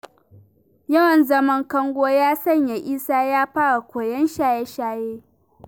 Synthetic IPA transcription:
jɐ˦wɐ˨nzɐ˦mɐ˦ŋkɐ˦ŋɡʷoː˦jaː˦sɐ˦˨ɲja˨ʔiː˦saː˦jaː˦ɸaː˦ɽa˨kʷoː˨jɐ˦nʃaː˦jɛ˦ʃaː˦jeː˦

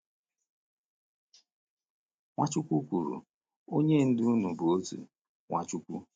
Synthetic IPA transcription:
ŋʷa˦t͡ʃu˦kʷu˦kʷu˨ɾṵ˨ | o˦ɲe˦n̩˦dɪ˦nu˨bʊ˨o˦tṵ˨ | ŋʷa̰˦˨t͡ʃu˦kʷṵ˦

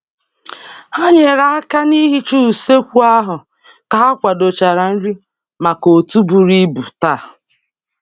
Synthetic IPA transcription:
ha˦ɲe˨ɾa˨˦a˦ka˦ni˦ɦi˦t͡ʃu˦˨se˦kʷu˦a˦ɦʊ˨ | ka˨a˦kʷa˨do˨t͡ʃa˨ɾa˨n̩˦ɾi˦ | ma˨ko˨tu˦bu˨ɾi˦bu˨ta˦˨

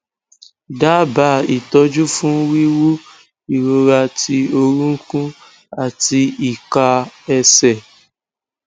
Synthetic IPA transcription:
da˦ba˧˦i˨tɔ˧d͡ʒu˦fũ˦wi˦wu˦ | i˨ɾo˧ɾa˧ti˧o˧ɾũ˦kũ˦ | a˦˨ti˧i˨ka˧ɛ˧sɛ˨

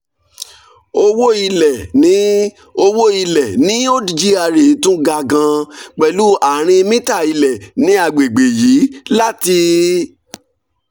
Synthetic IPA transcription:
o˧wo˦i˧lɛ˨nĩ˨˦ | o˧wo˦i˧lɛ˨nĩ˦o˦di˨d͡ʒi˦a˧ɾe˨˦tũ˦ɡa˧ɡã˧k͡pɛ˨lu˨˦a˨ɾ̃ĩ˧mĩ˦ta˦˨i˧lɛ˨nĩ˦a˧˨ɡ͡be˨ɡ͡be˨jiː˨˦la˦ti˧

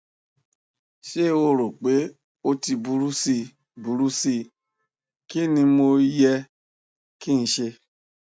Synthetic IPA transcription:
ʃe˦˨wo˦ɾo˨k͡pe˦ | o˦ti˧bu˧˦ɾu˦si˧ | bu˨ɾu˦si˧ | ki˦nĩ˧mo˧jɛ˧ | ki˦n̩˧ʃe˧

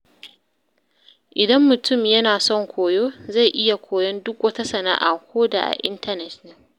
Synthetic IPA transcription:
ʔɪ˨dɐ˦mːʊ˨tʊ˦˨mjɐ˦naː˨sɔ˦˨ŋkʷoː˨joː˦za˦˨jʔɪ˦ja˨kʷoː˨jɔ˦ndʊ˦kwɐ˦ta˦sɐ˨na̰ː˦ʔa̰˨kʷoː˦da̰ː˨ʔa̰˨ʔɪ˦ntɐ˦nɛ˨tnɪ˦ŋ

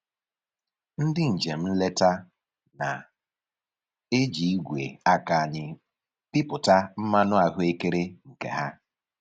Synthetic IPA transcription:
n̩˦dɪ˦n̩˨d͡ʒe˨m̩˦le˦ta˦ | na̰˨ | e˦d͡ʒi˨i˦ɡʷḛ˨a˦ka˨ɲɪ˨ | pɪ˦pʊ˨ta˦m̩˦ma˦nʊ˦a˨ɦʊ˦e˦ke˦ɾe˦ŋ̩˨kḛ˨ɦa˦

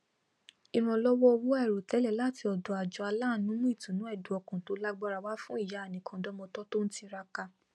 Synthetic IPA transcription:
i˧ɾ̃ã˧˨lɔ˦wɔ˦˧wu˦ɛ˦˨ɾo˨tɛ˨˦lɛ˦˨la˦˨ti˧ɔ˨dɔ˨a˨d͡ʒɔ˨˧a˧laː˦˨˦nũ˨˦mũ˦i˦˨tũ˨nũ˨˦ɛ˦˨du˨˦ɔ˧˨kũ˨to˨˧˦la˦ɡ͡ba˦ɾa˧wa˦fũ˦i˦˨ja˨˦˨nĩ˨˦kʰã˨˧dɔ˦mɔ̃˧tɔ˦to˦n̩˦ti˧ɾa˧ka˧

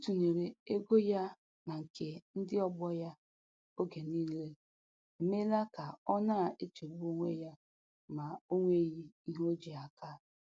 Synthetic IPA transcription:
tu˨ne˨ɾe˨e˦ɡo˦ja˦ | na˨ŋ̩˨kʰe˨n̩˦dɪ˦ɔ˦bɔ˦ja˦ | o˦ɡe˨niː˦le˦ | e˨me˦la˦ka˨ɔ˦na˦˨e˦t͡ʃe˨bu˦o˦ŋʷḛ˦ja˦ | ma˨o˦ŋʷe˦ɣi˦i˦ɦo˦d͡ʒi˨a˨ka˦

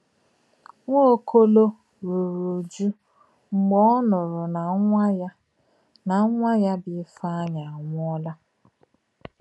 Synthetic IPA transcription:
ŋʷo˦kʰo˦lo˦ | ɾu˨ɾu˨d͡ʒu˦ | ŋ͡m̩˨ɡ͡bɔ˦nʊ˨ɾʊ˨na˨˦j | na˨˦ŋʷa˦ja˦bɪ˨˦fa˦a˦ɲa˨a˨ŋʷʊ˦ɔ˦la˦

